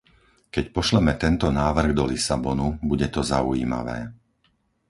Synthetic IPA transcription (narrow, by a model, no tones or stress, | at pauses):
kɛcpɔʃlɛmɛt̪ɛnt̪ɔnaːʋr̩ɣd̪ɔlisabɔnubuɟɛt̪ɔzaujḭːma̰ʋɛ̰ː